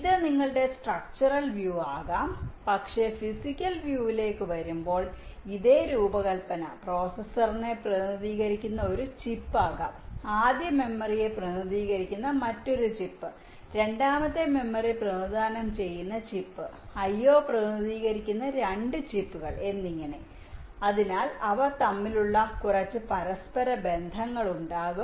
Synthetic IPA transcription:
iðɨniŋːɐɭɨɽe̞sʈrɐk̚t͡ɕɐrɐlʋjuːaːɣaːmpɐkʂe̞fisikʲːɐlʋjuːʋile̞ːkːɨʋɐɾumbo̞ːɭiðe̞ːɾuːbɐɣɐlpɐnɐ̰pro̞ːsɐsɐrne̞prɐðiːɣɐɾikʲːunːɐo̞ɾut͡ɕipːaːɣa̰ːmaːd̪jɐme̞mːɐrije̞prɐnɐðiːɣɐɾikʲːunːɐmɐtːo̞ɾut͡ɕipːɨ | ɾe̞ɳɖaːmɐt̪ːeme̞mːɐriprɐd̪ʱaːnɐmt͡ɕe̞jːunːɐt͡ɕipːɨ | ɐjːo̞ːprɐɐðiːɣɐɾikʲːunːɐɾeɳɖɨt͡ɕipːuɣɐɭe̞nːiŋːɐɳe | ɐðinaːlɐʋɐt̪ɐmːiluɭːɐkurɐt͡ɕːɨpɐɾɐspɐɾɐbe̞nd̪ʱɐŋːɐɭuɳɖaːɣum

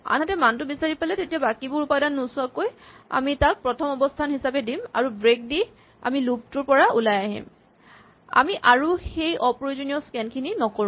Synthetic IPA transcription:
a̰nɦatɛmantʊbisaɹipalɛtetiabakibʊɹupajdanːusʊakoja̰mitak̚pɹɔtʰɔmɔbɔstʰanɦisapɛdima̰ɹubɹek̚di | a̰milub̚tʊɹpɔɹaulajaɦḭm | a̰miʔaɹuxejʔɔpɹojozonijɔskɛnkʰininɔkoɹũm

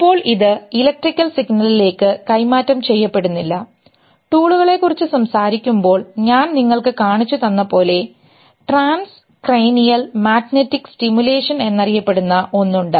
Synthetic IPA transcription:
ipːo̞ːɭiðɨilɐk̚ʈrikʲːɐlsiɡnɐlile̞ːkːɨkɐjmaːtːɐmt͡ɕe̞jːɐpːe̞ɽunːilːɐ | ʈuːɭuɣɐɭe̞kːurit͡ɕːɨsɐmsaːɾikʲːumbo̞ːɭɲaːnniŋːɐɭkɨkaːɳit͡ɕːut̪ɐnːɐpo̞ːle̞ | ʈraːns | krejnijɐlmaːt̪netːikstimjule̞ːʂɐne̞nːɐrijɐpːe̞ɽunːɐʔo̞nːuɳɖɨ

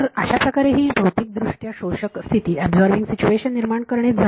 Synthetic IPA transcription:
ɾəɕapɾəkaɾeɦiːbʱəwt̪iːk̚d̪ɾuʂʈjaɕoɕəkst̪ʰit̪iːɛbzɔɾʋiŋɡsit͡ɕueɕənːiɾmaɳkəɾɳet̪d͡zʱa

